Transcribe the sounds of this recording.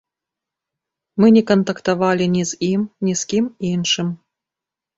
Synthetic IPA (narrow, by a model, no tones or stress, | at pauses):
mɨnʲekont̪ɐkt̪ɐvɑlʲinʲizimnʲiskʲiminʂɨm